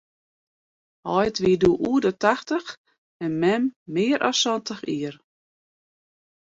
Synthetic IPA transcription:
hɔjtʋiəduʔuədətaxtəx | ɛnmɛmːɪːəɾʔɔ̰sɔntəxiər

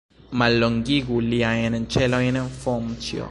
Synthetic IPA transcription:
maloŋɡiɡuljajɛnɛnt͡ʃɛlɔjɛnɛɱfɔmt͡ʃjɔ̰

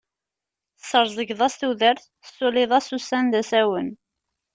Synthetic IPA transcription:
səɾˤzˤəɡðˤɑsθuðəɾθ | əsːulɪðˤæsusænðæsæwən

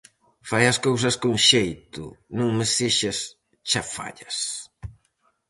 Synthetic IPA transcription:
fajɐskows̬ɐskuŋʃejt̪ṵnũŋmɪseʃɐs | t͡ʃafa̰ʎɐs

